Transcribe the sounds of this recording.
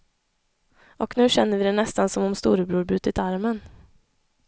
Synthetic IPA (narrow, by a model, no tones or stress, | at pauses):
ɔknʉ̟ːɕɛnːəɾvɪd̪ɛnɛst̪ansɔmɔmst̪uːɾəbɾuːɾbʉ̟ːt̪ɪt̪aɾmən